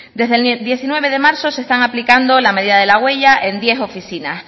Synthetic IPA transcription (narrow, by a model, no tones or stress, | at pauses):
d̪e̞zðed̪je̞θinwe̞βe̞ð̞e̞maɾso̞se̞st̪aŋaplikand̪o̞lame̞ðiðaðe̞laɣwe̞ʝaʔend̪je̞so̞fiθinas